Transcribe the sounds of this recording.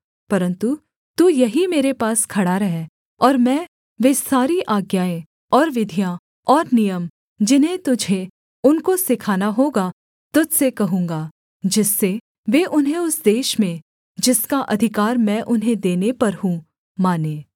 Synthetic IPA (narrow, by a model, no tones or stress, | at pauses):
pɐɾə̃nt̪u | t̪uːjɐɦimeːɾepaːskʰɐɽaɾɐɦeː | ɔːɾmɛ̃ː | ʋesaːɾiʔaːɡjaːẽ | ɔːɾʋɪd̪ʱijã | ɔːɾnijəm | d͡ʒɪnɦẽt̪ʊd͡ʒʱe | ʊnkosɪkʰaːnaɦoːɡa | t̪ʊd͡ʒsekɐɦũːŋɡaː | d͡ʒɪsːe | ʋeːʔʊnɦẽʊsd̪eːʃmẽ | d͡ʒɪskaʔɐd̪ʱɪkaːɾmɛ̃ːʔʊnɦẽd̪eːnepɐɾɦũ | maːneː